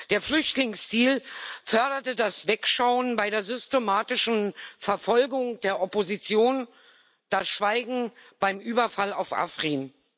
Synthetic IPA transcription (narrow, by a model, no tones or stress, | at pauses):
d̥eːɐflʏçtlɪŋstiːlfœɐɾɐtədasv̥ɛkʃaʊənbaɪɾeːɐzʏstemaːtɪʃn̩fɛɐfɔlɡʊŋd̥eːɐʔɔpozit͡sjoːn | d̥asʃv̥aɪɡŋ̩b̥aɪmʔyːbɐfalaʊfʔa̰fʁ̥iːn